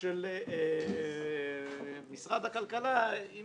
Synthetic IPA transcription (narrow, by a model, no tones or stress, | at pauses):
el | misʁad̪hakalkalai